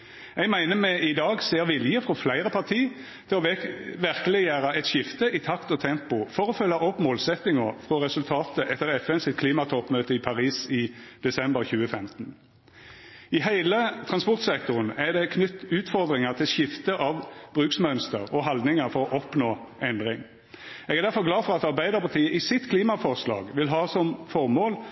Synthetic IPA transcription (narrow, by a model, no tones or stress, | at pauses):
ɛɡmæɪnəmɛʔɪd̪ɑːɡseːʁʋɪljəfʁɔflæɪʁəpʰɑʁt̪ʰiː | t̪ʰɪlɔʋæʁkəlɪjæːʁəɛt̪ʃɪft̪əʔɪt̪ʰɑkt̪ɔt̪ʰɛmpʊfɔɾɔfœlːɑʔɔpmoːlsɛt̪nɪŋəfʁɔʁɛsʉlt̪ʰɑːt̪əʔɛt̪ːəʁɛfɛnsɪt̪̚kʰliːmɑt̪ʰɔpmøːt̪əɪpʰɑʁiːsɪd̪̥ɛsɛmbəʁçʉːəfɛmt̪n̩ | ɪɦæɪlət̪ʰʁɑnspɔʁt̪sɛkt̪ʊʁənæʁd̪ɛkʰnʏt̪ːʉːt̪fɔʁd̪ʁɪŋəʁt̪ʰɪlʃɪft̪əʔɑʋb̥ʁʉːksmœnst̪əʁɔɦɑld̪nɪŋəʁfɔʁɔʔɔpnoː | ʔɛnd̪ʁɪŋ | ɛɡæʁd̪æʁfɔʁɡlɑːfɔʁɑt̪ɑʁbæɪd̪əʁpʰɑʁt̪ʰiːəʔɪsɪt̪kʰliːmɑfɔʁslɑ̰ːɡʋɪlɦɑːsɔmfɔʁmoːl